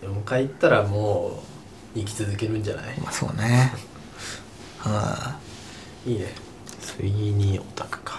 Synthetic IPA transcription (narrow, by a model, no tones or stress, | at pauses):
jomkait̪ːaɾamoː | ikʲi̥t͡sɨzɨke̞ɾɯ̟̃ɲd͡ʑana̰ima̰so̰ːne | hã | iːne | sɨiɲ̟io̞t̪ḁkɯ̥kḁ